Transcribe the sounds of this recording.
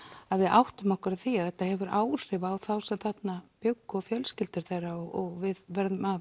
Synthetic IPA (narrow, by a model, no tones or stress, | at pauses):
aðvɪðʔawht̪ʏmahkʏɾaðθiaðθɛt̪ːahɛvʏɾaːwr̥ɪvaːwθawsɛmθat̪napjœwkːɔfjœlscɪlt̪ɪɾ̥θejɾaɔɣɔɣvɪðvɛɾðʏma